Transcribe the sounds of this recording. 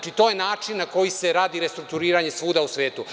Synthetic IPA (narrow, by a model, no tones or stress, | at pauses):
t͡ʃit̪o̞jenaːt͡ʂinːako̞jiseɾaːd̪iɾest̪ɾuk̚t̪uɾiːɾaɲesʋuːd̪ausʋeːt̪u